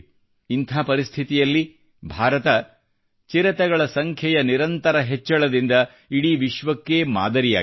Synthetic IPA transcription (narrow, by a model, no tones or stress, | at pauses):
int̪ʰaːpɐɾist̪ʰit̪ijɐlːi | bʱaːɾɐt̪ɐ | t͡ʃiɾɐt̪ɛɡɐɭɐsɐŋkʰjɐjɐniɾɐnt̪ɐɾɐɦet͡ʃːɐɭɐd̪ind̪ɐ | iɽiʋiʃʋɐkːe̞ːma̰ːd̪ɐɾija̰ː